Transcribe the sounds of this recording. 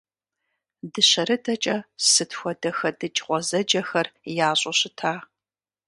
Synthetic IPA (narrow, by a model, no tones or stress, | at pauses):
dɨɕɐɾɨdʰɐt͡ʃʼɐsɨtʰxʷɔdɐxɐdɨt͡ʃʼqʷɔzɐd͡ʒɐxɐrjaːɕʼɐɕɪtʰaː